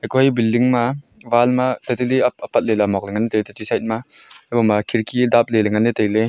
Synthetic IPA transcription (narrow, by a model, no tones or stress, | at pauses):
ɐjkɔhɐjbilːiŋmavalmat̪at̪ilipɐpɐt̪̚lelamɔk̚leŋɐnit̪ejtatisajt̪̚maajbɔmakʰiɾkidap̚leleŋanːit̪ejle